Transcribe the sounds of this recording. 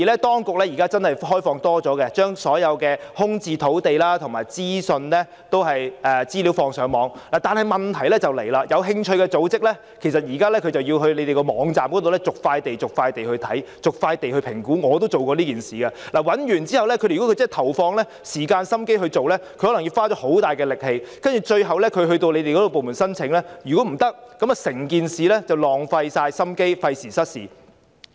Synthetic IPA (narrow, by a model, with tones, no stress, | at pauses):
iː˨˩lɛ˥t̪ɔː˥ŋkʊ˨k̚lɛː˥jiː˨˩kaː˥t͡sɐ˥nhɐ˨jɦɔː˥jfɔː˧ŋt̪ɔː˥t͡sɔː˨˥kɛ˧t͡ʃœː˥ŋsɔː˨˥jɐ˨˧wkɛː˧hʊ˥ŋt͡siː˧t̪ʰo˨˥wt̪e˨jlaː˥t̪ʰʊ˨˩ŋma̰ː˨˩jt͡siː˥sɵ˧nlɛ˥ | t̪o˥wɦɐ˨jɛ˨˧t͡siː˥li˨˥wfɔː˧ŋsœː˨˥ŋmɔː˨˧ŋlaː˨˩t̪aː˨nɦɐ˨jmɐ˨nt̪ʰɐ˨˩jlɛ˥t͡sɐ˨wle˨˩jlaː˧jɐ˨˧wɦɪ˧ŋt͡ʃʰɵ˧ɥkɛ˧t͡so˨˧˥wt͡sɪ˥k̚lɛ˥ | kʰe˨˩js̬ɐ˨t̚jiː˨˩kaː˥lɛ˥kʰɵ˨˧ɥt͡sɐ˨wjiː˧wɦɵ˧ɥle˨˧t̪e˨jkɔ˧mɔː˨˧ŋt͡saː˨mkɔ˨˥t̪o˨wlɛ˥t͡sʊ˨k̚faː˧jt̪e˨jt͡sʊ˨k̚faː˧jt̪e˨jhɵ˧ɥt̪ʰɐ˨˥jt͡sʊ˨k̚faː˧jt̪e˨jhɵ˧pʰɪ˨˩ŋkuː˨˥ŋɔː˨˧t̪o˥wt͡so˨wkɔː˧liː˥kiː˨nsiː˨˩kɐ˧laː˨˩wɐ˨˥njyː˨˩nt͡siː˥hɐ˨wlɛ˥kʰɵ˨˧˨ɔ˨˦˥kʰːt͡sːjt̪ʰɐ˨˩wfɔː˧ŋlɛ˥ | siː˨˩kaː˧nsɐ˥mke˥jɦɵ˧ɥt͡so˨wlɛ˥kʰɵ˧hɔ˨˥lɐ˨˩ŋjiː˧wfaː˥t͡ʃɔː˨˥ho˨˥wt̪aː˨˩jkɛː˧lɪ˨k̚he˧jkɐ˥nt͡ʃyː˨˩t͡ʃɵ˧ɥɦɐ˨wlɛ˥kʰɵ˨˧ɥhɵ˧ɥt̪o˧wle˨˧jt̪e˨jkɔ˨˥o˨wp̬ːwmuː˨˩nsɐ˥nt͡sʰɪ˨˥ŋlɛː˥jyː˨˩kɔ˨˥m̩˨˩t̪ɐ˥k̚kːɐ˨˥mɐ˨sɪ˨˩ŋkiː˨nsiː˨lɛ˥t͡sɐ˨˩wlɔː˨˩ŋfɐ˧jsaː˧jsɐ˥mke˥jfɐ˧jsiː˨˩sɐ˥t̚siː˨˩